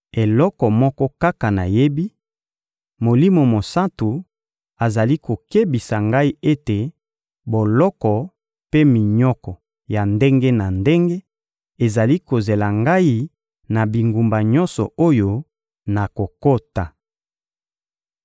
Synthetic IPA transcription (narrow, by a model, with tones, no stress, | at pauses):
e˨lɔ˦kɔ˨mɔ˦kɔ˦ka˦ka˨na˨je˦bi˦ | mo˨li˦mo˨mo˨sa˦tu˨ | a˨za˨li˦ko˨ke˦bi˨sa˨ŋɡa˦i˦e˦te˨ | bo˨lɔ˦kɔ˨ | pe˦mi˨ɲɔ˦kɔ˨ | ja˨nde˦ŋɡe˦na˨nde˦ŋɡe˦ | e˨za˨li˦ko˨ze˨la˨ŋɡa˦i˦ | na˨bi˨ŋɡu˨mba˨ɲɔ˦nsɔ̰˨o˦jo˦ | na˨ko˨ko˦ta˨